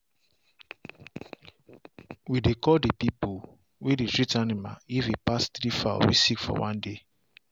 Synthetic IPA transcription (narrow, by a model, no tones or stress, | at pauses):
widekɔdipipu | wedetɹitanima̰ifipastɾifa̰wḭsikfɔ̰wãnde